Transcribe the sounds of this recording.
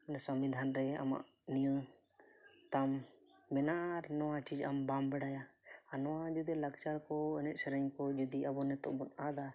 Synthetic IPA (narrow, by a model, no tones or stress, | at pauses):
nɛsɔmid̪ʱanɾɛa̰ma̰ʔ | nijɔ | t̪amː | ɛnaʔɾnɔwat͡ʃid͡ʒambambɛɽajaanɔwad͡ʒud̪ilɐkt͡ʃaɾkɔɛnɛʔsɛɾɛɲkɔd͡ʒud̪iabɔnɛt̪ɔ̰ʔbɔnad̪a